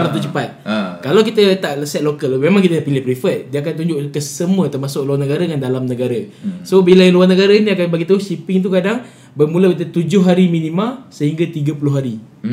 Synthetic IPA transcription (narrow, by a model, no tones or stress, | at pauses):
lamt̪ut͡ʃəpat̪̚kalawkit̪ət̪aʔəsɛt̪̚lokəlmemaŋkit̪ədaʔpilɪhpɾifət̪̚diəakant̪uɲd͡ʒʊʔkəsəmuət̪ərmasʊk̚luarnəɡaɾadəŋandalamnəɡaɾəsobilajiluwarnəɡaɾainiakanbaɡit̪auʃipɪŋt̪ukadaŋ | bəmulakit̪ət̪ud͡ʒʊɦːaɾiminimalsəɦiŋɡat̪iɡəpulʊɦaɾi